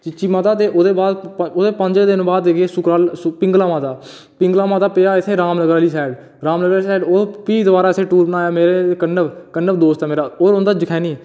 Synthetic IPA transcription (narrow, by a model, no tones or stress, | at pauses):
t͡ʃɪt͡ʃiːmat̪aːt̪eːʔoːd̪eːbaːd̪oːd̪eːpəɲd͡ʒeːd̪ɪnbaːd̪eɡeːsʊkɾaːlspɪ̃ŋɡlaːmãːt̪aː | pɪ̃ŋɡlaːmãːt̪aːpeːaːɪt̪ʰːeːɾaːmnəɡɾaːliːsɛːɖ | ɾaːmnəɡɾaːliːsɛːɖoːpiːd̪əbaːɾaːseːʈuːɾbənaːjaːmeːɾekənːəʋkənːəbd̪oːst̪ɛːmeːɾaːoːɾʊnd̪aːd͡ʒəkʰɛːniː